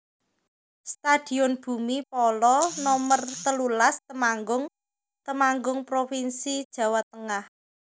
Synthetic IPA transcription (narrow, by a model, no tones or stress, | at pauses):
st̪ad̪̥i̤ɔnb̥ṳmipɔlɔnɔmərt̪əlulast̪əmaŋɡʊŋ | t̪əmaŋɡʊŋpɾofinsid̥ʒ̥ä̤wat̪əŋah